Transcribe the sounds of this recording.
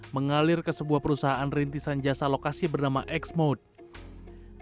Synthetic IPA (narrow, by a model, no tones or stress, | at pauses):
məŋalɪrkəsəbuahpəɾusaɦaʔanrint̪isand͡ʒasalokasibərnamaʔɛksmot̪̚